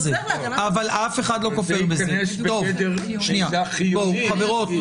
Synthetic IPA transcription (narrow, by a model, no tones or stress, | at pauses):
ze | avalʔafe̞χad̪lokofeʁbezet̪o̞v | ʃniaboχaveʁot